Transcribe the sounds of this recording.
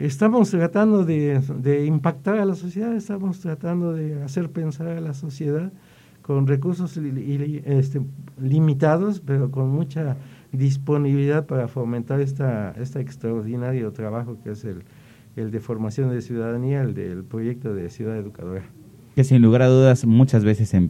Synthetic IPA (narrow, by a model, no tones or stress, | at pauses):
est̪amost̪ɾat̪and̪oðed̪eimpak̚t̪aɾalasosjeðaðest̪amost̪ɾat̪and̪oðease̞ɾpe̞nsaɾalaso̞sje̞ðað | ko̞nrekuɾsos | est̪elimit̪aðospeɾokonmut͡ʃa | ðis̬po̞niβiliðaðpaɾafomẽnt̪aɾest̪aest̪eekst̪ɾaoɾðinaɾjot̪ɾaβaxo̞keesel | eld̪e̞fo̞ɾmasjo̞nd̪esjuðaðaniaeld̪ḛlpɾo̞ʝe̞k̚t̪o̞ðesjuðaðeðuka̰ðoɾa | ke̞sinluɣaɾaðuðasmut͡ʃazβesesem